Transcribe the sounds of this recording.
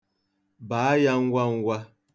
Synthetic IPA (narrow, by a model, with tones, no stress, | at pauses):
ba˨˦a˦ja˦ŋ̩˦ɡʷa˦ŋ̩˦ɡʷa˦